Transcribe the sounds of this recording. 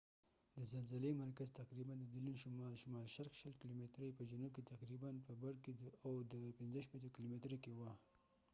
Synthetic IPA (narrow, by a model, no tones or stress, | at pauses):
d̪əzalzalemaɾkazt̪aqɾiband̪əd̪ilinʃʊmɑlʃʊmɑlʃaɾxʃəlkilomet̪ɾəjpəd͡ʒʊnub̚ket̪aqɾibanpəbaɾked̪əawd̪əpɪnzəʃpet̪okilomet̪ɾakewa